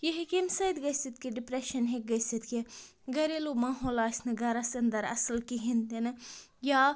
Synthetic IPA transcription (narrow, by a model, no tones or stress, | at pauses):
jeɦekemsɐjd̪ɡɐsit̪kiɖɪpɾeʃɐnɦek̚ɡɐsit̪ke | ɡɐɾelomaːɦoːlaːsnɐɡɐɾasɐnd̪ɐɾɐ̰səlkiɦind̪in | jaː